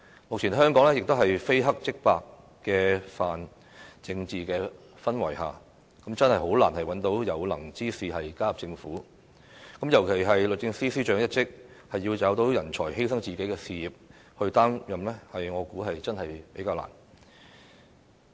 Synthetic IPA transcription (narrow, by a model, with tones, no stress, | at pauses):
mʊ˨k̚t͡ɕʰiː˨˩nɦœː˥ŋkɔː˨˥ŋlɛː˥jɪ˨k̚t̪o˥wɦɐ˨jfe˥jɦɐ˥k̚t͡sɪ˥k̚paː˧kː | ɛː˧faː˨n | t͡sɪ˧ŋt͡siː˨kɛː˧ | fɐ˥nwɐ̰˨˩jɦa̰ː˨ | kɐ˨˥mt͡sɐ˥nhɐ˨jɦo˨˥wlaː˨˩nhɐ˨jwɐ˨˥nt̪o˨˥wjɐ˨˧wlɐ̰˨˩ŋt͡siː˥siː˨ɦɐ˨jkaː˥jɐ˨p̚t͡sɪ˧ŋfuː˨˥ | kɐ˨˥mjɐ˨˩wkʰe˨˩jɦɐ˨jlɵ˨t̚t͡sɪ˧ŋsiː˥siː˥t͡ʃœː˨˥ŋjɐ˥t̚t͡sɪ˥k̚hɐ˨jːiː˧wt͡saː˨˥wt̪o˨˥wjɐ˨˩nt͡ʃʰɔː˨˩jhe˥jsɐ˥ŋt͡siː˨ke˨˥jkɛː˧siː˨˧jiː˨p̚ | hɵ˧ɥt̪aː˥ŋjɐ˨mlɛ˥hɐ˨jŋɔː˨˧kuː˨˥ɦɐ˨jt͡sɐ˥nhɐ˨jpe˨˥jkaː˧wla̰ː˨˩n